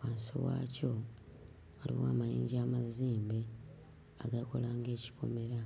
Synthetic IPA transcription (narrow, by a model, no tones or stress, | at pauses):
waːnsḭwa̰ːco | alḭwaːmajiːɲɟaːmaziːmbe | aɡako̞̰laːŋɡe̞ːci̥ko̞̰me̞ɾa